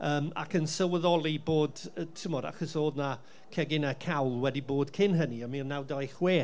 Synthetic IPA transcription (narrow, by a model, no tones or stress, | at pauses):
əːma̰kənsəwəðɔlˠiboːdətʰɪmɔda̰χəsoːdna | kʰɛɡɪnakʰawlˠwɛdiboːd̥kʰɪnɦəniɔmiɔnawdajχweː